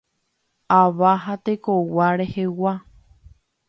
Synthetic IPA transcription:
aʋaɦat̪ekowaɾehewa

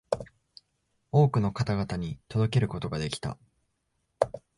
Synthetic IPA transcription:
o̞ːkɯ̟no̞kat̪aɡat̪aɲ̟it̪o̞d̪o̞ke̞ɾɯ̟ko̞t̪o̞ɡad̪e̞kʲi̥t̪a̰

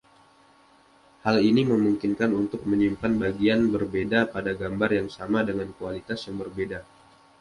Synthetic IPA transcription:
haliniməmuŋkinkanunt̪ʊk̚məɲimpanbaɡianbərbedapadaɡambarjaŋsamadəŋankualit̪asjaŋbərbeda

